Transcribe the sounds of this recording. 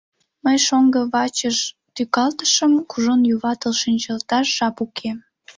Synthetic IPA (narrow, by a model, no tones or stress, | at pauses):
məjʃoŋɡə̆βɑt͡ɕəʃ | t̪ykɑlt̪ə̥ʃəmkuʒonjuβɑt̪əlʃinʲt͡ɕɑlt̪ɑʃʒɑpukʰem